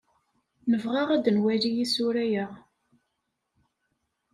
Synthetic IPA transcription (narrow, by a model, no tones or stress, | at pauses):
nəvʁaʁæd̪ənwælijisʊɾæjəʁ